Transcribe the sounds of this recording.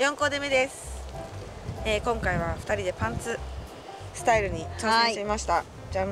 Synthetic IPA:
jõ̞ŋko̞ːd̪e̞me̞d̪e̞sɨ̥ | eːkõ̞ŋkaiβ̞aɸɯ̥t̪aɾʲid̪e̞pãnt͡sɨ | sɨ̥t̪aiɾɯ̟ɲ̟it͡ɕo̞ːsẽɕt̪eimaɕi̥t̪a | d͡ʑaː

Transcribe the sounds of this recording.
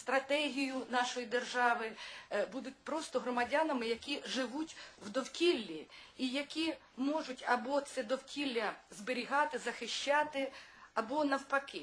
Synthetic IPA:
st̪ɾɐt̪ɛɦʲijʊnɑʃɔjid̪erʒɑʋɪbud̪ʊt̚ʲpɾɔst̪ɔɦɾɔmɐdʲanɐmɪjɐkʲiʒɪʋutʲwd̪ɔwkʲilʲːiijɐkʲi | mɔʒʊtʲɐbɔt̪sɛd̪ɔwkʲilʲːɐzbɪɾʲiɦɑt̪ɪzɐxɪʃʲt͡ʃɑt̪ɪɐbɔnɐwpɐkɪ

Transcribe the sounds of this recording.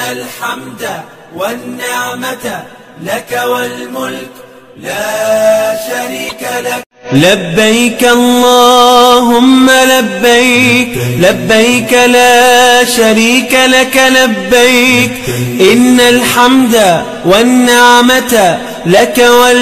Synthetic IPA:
alħamd̪a | wanːɪʕma | lakawalmʊlk | laːʃaɾiːkala | labːajkʔɑlˤːɑːɦʊmːalabːajklabːajkalaːʃaɾiːkalakalabːajkʔɪnːalħamd̪a | wanːɪʕmat̪a | lakawa

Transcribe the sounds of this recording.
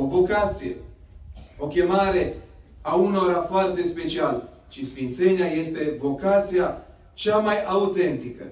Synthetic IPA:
ovo̞kat̪sijḛ | o̞kʲe̞maɾe̞auno̞ɾafoart̪e̞spe̞t͡ʃial | ʃisfint̪se̞neaje̞st̪e̞vo̞kat̪sija | t͡ʃamajaut̪e̞nt̪ikə̰

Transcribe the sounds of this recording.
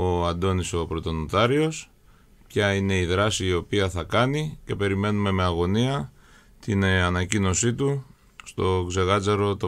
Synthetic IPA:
o̞ɐnd̪o̞niso̞pɾot̪o̞nut̪ɐɾio̞s | pçɐine̞iðɾɐsiːo̞piɐθɐkɐnice̞pe̞ɾime̞nume̞me̞ɐɣo̞niɐ | t̪inɐnɐcino̞sit̪u | st̪o̞ɡze̞ɣɐd͡zɐɾo̞t̪o

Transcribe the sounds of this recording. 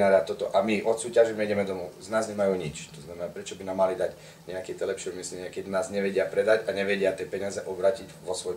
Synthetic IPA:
naːɾat̪ːɔt̪ɔʔamiʔɔt̪suːcaʒɛɲɛiɟɛmɛd̪ɔmuznaːzɲɛmajuːɲit͡ʃt̪ɔznamɛnaːpɾɛt͡ʃɔbinaːmːalid̪aɟ | ɲɛakɛt̪ɛlɛpʃɛumislɛɲɪakɛd̪inaːzɲɛʋɛɟɪapɾɛd̪aɟaɲɛʋɛɟɪat̪ɪɛpɛɲɪazɛʔɔbɾaːciɟʋɔsʋɔj

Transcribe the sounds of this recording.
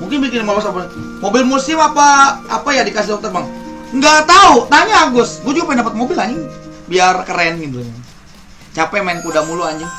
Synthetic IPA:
muŋkɪnbikɪnmalasapamobɪlmusɪmapaːpajadikasɪɔk̚t̪ərmaŋŋɡat̪aut̪aɲaːɡʊsɡuad͡ʒuɡapaindapat̪̚mobɪlaɲɪŋbiarkəɾanŋidulaɲ | t͡ʃapɛmaɛnkudamuluaɲd͡ʒɪŋ

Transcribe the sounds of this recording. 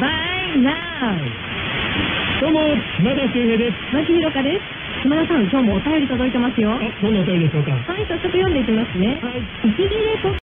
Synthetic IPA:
bana | d̪̥oːmomad̪akeːɦeːd̪esmat͡ɕihiɾo̞kad̪e̞sɨ̥ | sɯmanasãŋkʲo̞ːmoːt̪ajo̞ɾʲit̪od̪o̞it̪e̞masɨjo̞d̪onːaot̪ajoɾeɕoːka̰hait̪ot͡ɕot̪ːojõnd̪e̞ik̪̬ʲemasɨne̞hai | it͡ɕiɡʲiɾet̪o

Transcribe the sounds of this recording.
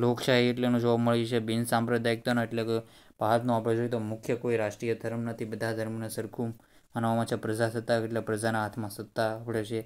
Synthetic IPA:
lokʃaɦieʈlenũd͡ʒoʋabməɭit͡ʃʰebinsampɾəd̪ajik̚t̪onaeʈleke | baɦat̪nũapɽed͡ʒoit̪omukʰjəkoiɾaʂʈɾijəd̪ʱəɾəmnət̪ʰibəd̪ʱad̪ʱəɾmnasəɾkʰu | manʋamãt͡ʃʰapɾəd͡ʒasət̪ːaeʈlapɾəd͡ʒanaɦat̪ʰmãsət̪ːaːpɽet͡ʃʰe

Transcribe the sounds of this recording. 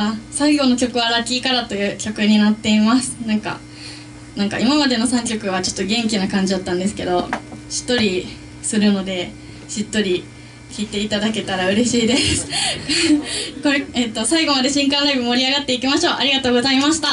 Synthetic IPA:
saiɡo̞no̞kʲo̞kɯ̟βaɾakʲiːkaɾat̪o̞jɯ̟ːkʲo̞kɯ̟ɲ̟inat̪ːe̞imasɨ̥nãŋka̰ | nãŋka̰imamad̪e̞no̞sãŋkʲo̞kɯ̟β̞at͡ɕo̞̥t̪ːoɡẽ̞ŋkʲinakãɲ̟d͡ʑid̪at̪ːãnd̪e̞sɨ̥ke̞d̪o̞ɕi̥t̪ːo̞ɾʲi | sɨɾɯ̟no̞d̪e̞ | ɕit̪ːo̞ɾʲi | kʲiːt̪e̞it̪ad̪ake̞t̪aɾaɯ̟ɾe̞ɕiːd̪e̞sɨ̥ | ko̞ɾeet̪ːo̞saiɡo̞mad̪e̞ɕĩŋkãnɾaibɯ̟moɾʲiaɡat̪ːe̞ikʲimaɕo̞ːʔaɾʲiɡat̪o̞ːɡo̞zaimaɕi̥t̪a

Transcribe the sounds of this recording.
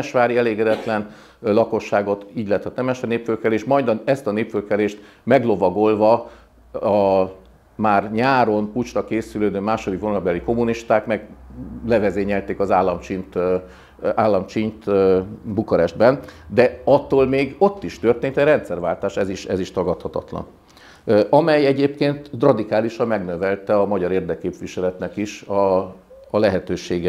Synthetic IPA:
ɛʃʋaːɾiɛleːɡɛd̪ɛt̪lɛn | lɒko̞ʃːaːɡo̞t̪iːɟlɛːt̪ʰɛt̪nɛmɛʃɛneːpfølkɛleːʃmɒjd̪ɒɛst̪ɒneːpfølkɛleːʃt̪ | mɛɡlo̞vɒɡo̞lvɒ | ɒ | maːrɲaːɾo̞nput͡ʃrɒkeːsyløːd̪øːmaːʃo̞d̪ikvonɒlbɛliko̞muniʃt̪aːkmɛɡlɛvɛzeːɲɛlt̪eːkɒzaːlːɒmt͡ʃint̪ | aːlːɒmt͡ʃiɲt̪bukoɾɛʒd̪bɛnd̪ɛɒt̪ːoːlmeːɡo̞t̪ːiʃt̪ørt̪eːnt̪ɛɾɛnt̪sɛrvaːlt̪aːʃɛziʃɛ̰ziʃt̪ɒɡɒt̪hɒt̪ɒ̰t̪lɒ̰n | ʔɒmɛjɛɟeːpkeːnt̪rɒd̪ikaːliʃɒmmɛɡnøvɛlt̪ɛɒmɒɟɒɾeːrd̪ɛkːeːpʋiʃɛlɛt̪nɛkiʃɒː | lɛɦɛt̪øːʃeːɡɛ

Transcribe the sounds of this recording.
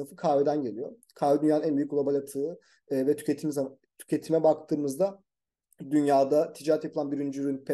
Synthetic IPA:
ɯfɯkʰaːved̪ænɟe̞lʲijo̞ | kʰaːved̪ynjaːɯnænbyjykulˠabalʲat̪ʰɯː | vɛt̪ʰy̥cet̪ʰimza | t̪ʰy̥cʰe̞t̪ʰimɛbakt̪ʰɯːmɯzd̪a | d̪ynjaːd̪at̪ʰid͡ʒaɾɛt̪japɯlˠanbiɾind͡ʒyyɾynpʰɛ

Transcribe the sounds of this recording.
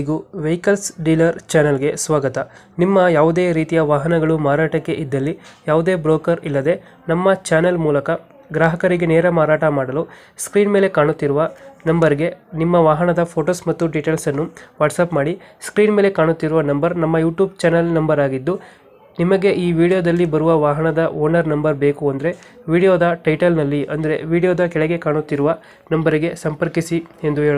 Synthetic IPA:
iɡuʋejkɐlsɖiːlɐɾt͡ʃaːnɐlɡe̞sʋaːɡɐt̪ɐ | nimːɐjaːʋud̪e̞ːɾiːt̪ijɐʋaːɦɐnɐɡɐɭumaːɾaːʈɐkːe̞ʔid̪ːɐlːijaːʋud̪e̞ːbɾoːkɐɾilːɐd̪e̞ | nɐmːɐt͡ʃaːnɐlmuːlɐkɐ | ɡɾaːɦɐkɐɾiɡeneːɾɐmaːɾaːʈɐmaːɽɐlu | skɾiːnmeːle̞kaːɳut̪ːiɾuʋɐnɐmbɐɾiɡe̞nimːɐʋaːɦɐnɐd̪ɐpʰoːʈoːsmɐt̪ːuɖiʈeːlsɐnːuʋaːʈsaːpmaːɽiskɾiːnmeːle̞kaːɳut̪ːiɾuʋɐnɐmbɐɾnɐmːɐjuːʈjuːb̚t͡ʃɛnɐlnɐmbɐɾaːɡid̪ːu | nimɐɡe̞ʔiːʋiːɽijod̪ɐlːibɐɾuʋɐʋaːɦɐɳɐd̪ɐʔoːɾnɐɾnɐmbɐɾbe̞ːkuɐnd̪ɐɾe̞ | ʋiːɽijoːd̪ɐʈɐjʈɐlnɐlːiʔɐnd̪ɐɾe̞ʋiːɽijoːd̪ɐkɛɭɛɡe̞kaːɳut̪ːiɾuʋɐ | nɐmbɐɾiɡe̞sɐmpɐɾkisie̞nd̪uɦeːɭ

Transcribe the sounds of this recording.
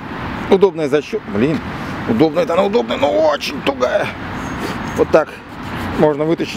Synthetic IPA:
ʊd̪o̞b̚nəjəzɐɕːoblʲinʊd̪o̞bnəjət̪ɐnaʊd̪o̞b̚nəjənuot͡ɕɪnʲt̪ɾʊɡajə | vot̪ːak | mo̞ʐnəvɨt̪əɕːɪ

